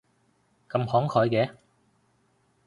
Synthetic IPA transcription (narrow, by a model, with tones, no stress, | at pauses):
kɐ˧mhɔː˨˥ŋkʰɔː˨˧jkɛː˨˧˥